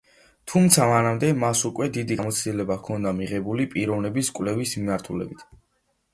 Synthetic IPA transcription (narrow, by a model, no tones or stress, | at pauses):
t̪ʰumt̪sʰamanamd̪ɛmasukʼwɛd̪id̪iamɔt̪sʰd̪ilɛbakʰɔnd̪amiʁɛbulipʼiɾɔvnɛbiskʼwlɛvismimaɾt̪ʰulɛ̰bit̪ʰ